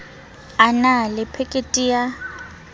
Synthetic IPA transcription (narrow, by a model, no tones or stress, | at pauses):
analɪpʰekʼetʼija